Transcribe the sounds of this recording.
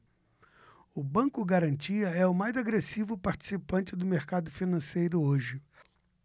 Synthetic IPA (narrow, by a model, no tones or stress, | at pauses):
ʊbɐ̃ŋkʊɡaɾɐ̃nt͡ʃiɐɛʊmajzaɡɾesivʊpaɾt͡ʃi̥sipɐ̃nt͡ʃɪd̪ʊmeɾkad̪ʊfinɐ̃sejɾʊoʒɪ